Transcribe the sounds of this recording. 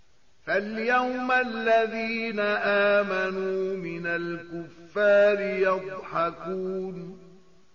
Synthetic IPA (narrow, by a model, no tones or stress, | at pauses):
faljawmalːaðiːnaʔaːmanuːmɪnalkʊfːaːɾɪjɑd̪ˤħɑkuːn